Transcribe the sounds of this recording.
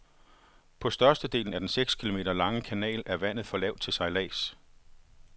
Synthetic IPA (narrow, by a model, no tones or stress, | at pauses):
pʰɒ̽sd̥ɶɐsd̥əd̥e̝̰ːln̩æɐd̥enseɡ̥skʰilome̝̰ːdɾɐlɑ̈ŋəkʰænɛ̰ːlæɐʋæn̰ð̩ˠfɒ̽lɛʊ̰d̥̚t͡sʰe̝lsɑ̈ɪlɛ̰ːs